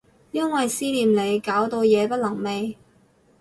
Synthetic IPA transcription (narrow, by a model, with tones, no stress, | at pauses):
jɐ˥nwɐ˨jsiː˥liː˨mle˨˧jkaː˨˥wt̪o˧wjɛː˨˧pɐ˥t̚lɐ˨˩ŋme˨˧j